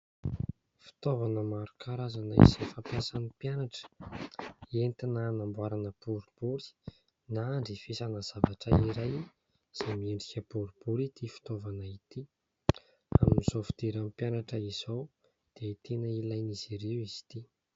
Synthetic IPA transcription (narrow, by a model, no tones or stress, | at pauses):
fi̥t̪ovanəmaɾukʰaɾazanaḭz̥efapjasanipjanaʈ͡ʂə̥ | ent̪inanambuaɾanəpuɾub̥uɾi̥ | naɳɖ͡ʐifisanəz̥avaʈ͡ʂəiɾaj | z̥amieɳɖ͡ʐikʲəpuɾipuɾit̪ʰifi̥t̪ovanəit̪i | a̰miniz̥ofi̥d̪iɾamipjanaʈ͡ʂəiz̥ow | d̪̥et̪enəilajniz̥iɾewizi̥t̪i